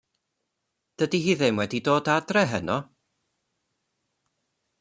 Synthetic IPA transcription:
d̥ədiɦiːðɪmwɛdidoːdadrɛɦənɔ

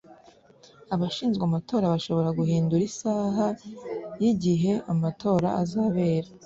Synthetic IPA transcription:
aβaʃiːnzɡwamatʰo̞ːɾaβaʃo̞βo̞ɾaɡuhiːnduɾisaːɦajiɟiɦe̞amatʰo̞ːɾa̰ʔazaβe̞ːɾa

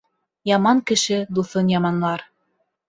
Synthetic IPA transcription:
jɑmɑŋkɘ̆ʃɘd̪uθɤnjɑmɑnlˠɑɾ

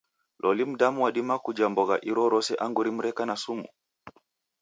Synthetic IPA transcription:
lʔɔlim̩damuwaɗimakud͡ʒambɔɣaʔiɾɔɾɔsɛʔaŋɡuɾim̩ɾɛkanasumṵ

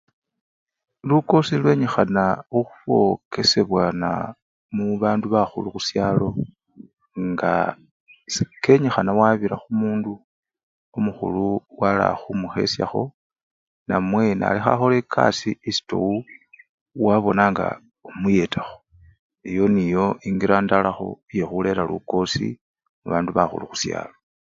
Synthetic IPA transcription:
luko̞silwe̞ɲexanauxu̥βo̞̰kʰe̞se̞βwana̰ | muβaːnduβaxuluxusjaːlo̞ | ŋɡa̰ | sike̞ɲexanawaβiɾaxumuːndu | omuxṵluwala̰xumuxe̞̰sja̰xo̞ | namwe̞na̰lixa̰xole̞kʰa̰siisi̥to̰wu | waβo̞naːŋɡa̰ | omuje̞taxo̥ | ejo̞nijo̞iŋɡiɾaːndalaxo̞̰ije̞xule̞ɾalṵko̞sḭ | muβaːnduβaxṵluxu̥sja̰ːlo̞

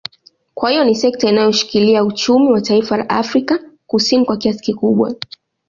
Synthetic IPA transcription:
kwahijɔnisɛk̚tainajɔʃi̥kiliaut͡ʃumiwataifala̰ʔa̰fɾikakusinikwakiasi̥kikuɓwa̰

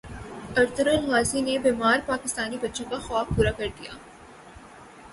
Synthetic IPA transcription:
ɐɾt̪ʊɾəlɣaːzinebeːmaːɾpaːkɪst̪aːnibɐtːʃõkaxwaːfpuːɾakɐɾd̪ija̰ː

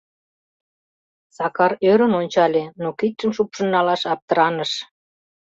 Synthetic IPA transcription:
sɑkɑrøɾənonʲt͡ɕɑlʲenokit̪ʃəmʃupʃə̆nːɑlɑʃɑp̚t̪əɾɑnəʃ

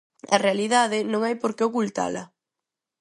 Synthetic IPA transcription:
ɐ̰realiðaðɪnõŋajpoɾkeokult̪a̰lɐ

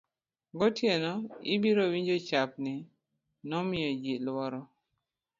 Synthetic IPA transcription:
ɡɔtjenɔḭbiɾowiɲd͡ʒot͡ʃap̚nɪ | nɔmɪɔd͡ʒilwɔɾɔ

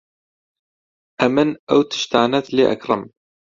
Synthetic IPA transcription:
ʔæmənæwt̪ə̥ʃt̪əʕnæθliʔə̰kɾˤəm

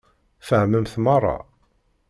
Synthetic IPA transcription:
fəʕməmθmɑrˤːɑ̰

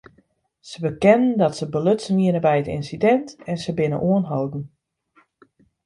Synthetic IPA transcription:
səbəkɛnəndɔtsəbəløtsəniənəbɛjətɪ̰nsidɛntɛnsəbɪnə̰ʔuənɦowdn̩

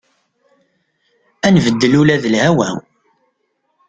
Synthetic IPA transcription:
ænvəd̪ːəlulæðəlhæwæ̰

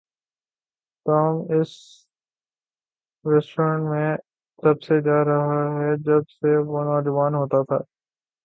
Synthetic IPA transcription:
t̪aːmɪs | ɾɛːsʈɾə̃ɳʈmẽ | t̪ɐbsed͡ʒaːɾɐɦaɦɛd͡ʒɐbseʋoːnɔːd͡ʒəʋaːnɦoːt̪at̪ʰa̰ː

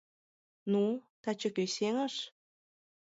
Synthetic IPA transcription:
nut̪ɑt͡ɕə̆køseŋə̆ʃ

